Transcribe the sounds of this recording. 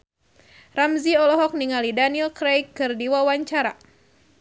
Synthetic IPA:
ramziɔlɔɦɔk̚niŋalidanilkɾejkːɨrdiwawaɲt͡ʃaɾa̰

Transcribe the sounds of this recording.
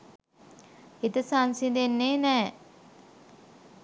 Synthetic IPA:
it̪əsansind̪enːeːnɛː

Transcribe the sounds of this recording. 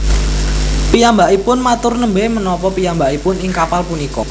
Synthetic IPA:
pijambaʔipʊnmat̪ʊrnəmbemənɔpɔpijambaʔipʊnɪŋkapalpunikɔ̰

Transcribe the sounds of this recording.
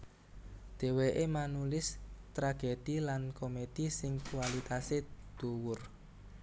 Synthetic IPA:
d̪̥e̤weʔemanulɪst̪ɾaɡ̥ed̪̥ilankomed̪̥isɪŋkuwalit̪ased̪̥uwʊr

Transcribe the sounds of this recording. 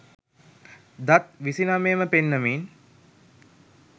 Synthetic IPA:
d̪at̪ʋisinamejəməpenːəmiːn

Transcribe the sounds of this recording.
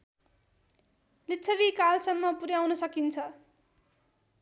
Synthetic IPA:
litːt͡sʰʌβikalsʌmːʌpuɾjawnʌsʌkint͡sʰʌ

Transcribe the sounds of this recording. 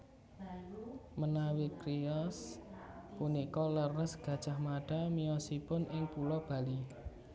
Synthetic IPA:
mənawikɾiɔs | punikɔlərəsɡ̥ä̤d̥ʒ̥ahmaɖ̥a̤miɔsipʊnʔɪŋpulɔb̥ä̤li

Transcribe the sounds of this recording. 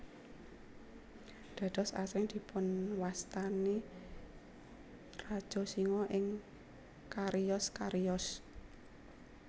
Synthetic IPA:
d̪̥ä̤d̪̥ɔsa̰sɾɪŋd̪̥i̤pʊnwast̪ane | rad̥ʒ̥ɔ̤siŋɔʔɪŋ | kaɾijɔskaɾijɔs

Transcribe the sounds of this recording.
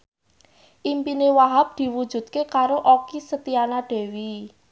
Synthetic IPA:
ʔimpinewaɦap̚d̪̥i̤wud̥ʒ̥ṳd̪̚kekaɾoʔokisət̪ianaɖ̥e̤wi

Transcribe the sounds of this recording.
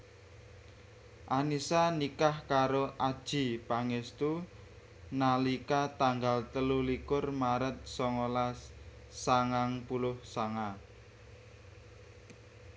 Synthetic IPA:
ʔanisanikahkaɾoʔad̥ʒ̥i̤paŋest̪u | nalikat̪aŋɡalt̪əlulikʊrmaɾət̪̚sɔŋolas | saŋaŋpulʊhsaŋa

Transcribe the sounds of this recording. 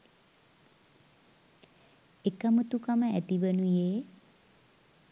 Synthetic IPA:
ekamut̪ukaməæt̪iʋənujeː

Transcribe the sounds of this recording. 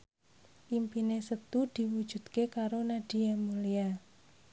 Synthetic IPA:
ʔimpinesət̪ud̪̥i̤wud̥ʒ̥ṳd̪̥kekaɾonaɖ̥iamulia

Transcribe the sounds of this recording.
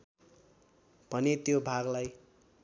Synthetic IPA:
b̥ʱʌnet̪jobʱaɡlaj

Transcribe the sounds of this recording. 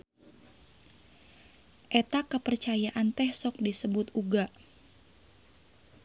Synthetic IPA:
ʔɛt̪akəpərt͡ʃajaʔant̪ɛhsɔk̚disəbʊt̪uɡaʔ

